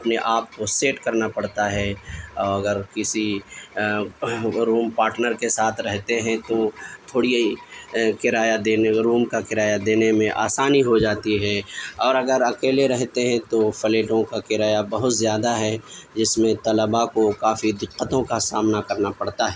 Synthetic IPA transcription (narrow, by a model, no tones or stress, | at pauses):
ɐpneʔaːp̚koseːʈkɐɾnapɐɽt̪aɦɛɔːɾɐɡəɾkɪsi | ɾuːmpaːɾʈnəɾkesaːt̪ʰɾɛɦt̪eɦɛ̃t̪ot̪ʰoːɽiikɪɾaːjad̪eːɾuːmkakɪɾaːjad̪eːnemẽʔa̰ːsaːniɦod͡ʒaːt̪iɦɛɔːɾɐɡəɾɐkeːleɾɛɦt̪eɦɛ̃t̪ofɐleːʈõkakɪɾaːjabɐɦʊt̪zjaːd̪aɦɛd͡ʒɪsmẽt̪ɐləbakokaːfid̪ʊt͡ʃqət̪õkasaːmnakɐɾnapɐɽt̪aɦɛ